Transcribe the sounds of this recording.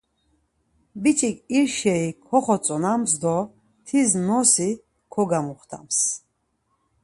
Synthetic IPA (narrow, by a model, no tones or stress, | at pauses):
bit͡ʃʼikʼiɾʃɛikʰɔχɔt͡sʼɔnamsd̪ɔ | t̪ʰiznɔsi | kʰɔɡamuχt̪ʰa̰ms